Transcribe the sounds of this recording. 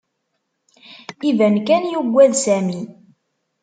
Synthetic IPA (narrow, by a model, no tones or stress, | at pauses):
ivænkænjuɡʷːæðsæmi